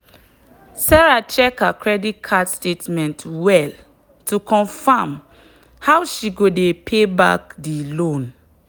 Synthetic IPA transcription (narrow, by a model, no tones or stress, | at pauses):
saɹat͡ʃɛkakɹɛdit̚kʰadstetmɛ̃ntwɛl | tukʰɔ̃ɱfam | hawʃiɡodepʰeba̰k̚dilõn